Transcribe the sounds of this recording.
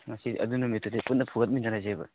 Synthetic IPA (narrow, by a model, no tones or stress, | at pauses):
mɐsiɐ̰dunumetʰoteput̚nɐpʰuɡɐt̬̚minɐɾazebɐ̰